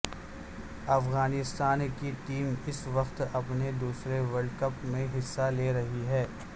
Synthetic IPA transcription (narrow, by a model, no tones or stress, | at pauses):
ɐfɣaːnɪst̪aːnkiʈiːmɪsʋɐqt̪ɐpned̪uːsɾeʋɐɾɖkɐpmẽɦɪsːaleːɾɐɦiɦɛː